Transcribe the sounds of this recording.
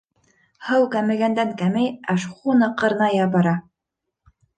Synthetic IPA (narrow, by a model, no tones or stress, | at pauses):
hɤwkæmɘ̆ɡænd̪æŋkæmɘjæʃχunɤqɤ̆ɾnɑjɑbɑɾɑ